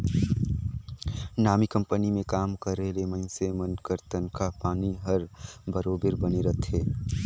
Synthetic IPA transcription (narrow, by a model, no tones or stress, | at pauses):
naːmikə̃mpənimẽkaːmkəɾelemə̃ɪ̃nsemənkəɾt̪ənkʰapaːniɦəɾbəɾoːbɪɾbəneɾət̪ʰeː